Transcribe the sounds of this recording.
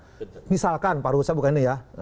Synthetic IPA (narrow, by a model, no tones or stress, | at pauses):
misalkanpaɾusabukaninija